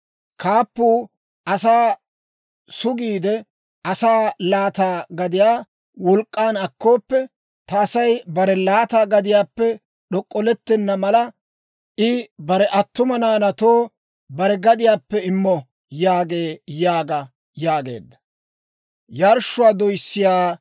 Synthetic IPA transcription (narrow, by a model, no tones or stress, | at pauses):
kʰaːpːuː | ʔɐsaː | sʊɡiːd̪ɛ | ʔɐsaːlaːt̪aːɡɐd̪ɪjaː | wɔlkʼːaːnɐkːo̞ːpːɛ | t̪ɐːsɐjbɐɾɛlaːt̪aːɡɐd̪ɪjaːpːɛ | ɗɔkʼːɔlɛt̪ːɛnːɐmɐlɐ | ʔɪbɐɾɛʔɐt̪ːʊmɐnaːnɐt̪oː | bɐɾɛɡɐd̪ɪjaːpːɛɪmːɔ | jaːɡe̞ːjaːɡɐ | jaːɡe̞̰ːd̪ːɐ | jɐɾʃːʊwaːd̪ɔjsːɪjaː